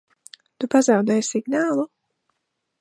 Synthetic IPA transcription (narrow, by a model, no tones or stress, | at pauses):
t̪upazawd̪ɛjsiɡnaːlˠu